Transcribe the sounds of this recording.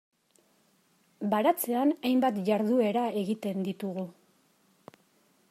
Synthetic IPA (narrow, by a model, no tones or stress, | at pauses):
baɾat͡se̞anajmbat̪ʝaɾðue̞ɾae̞ɣit̪e̞nd̪it̪uɣu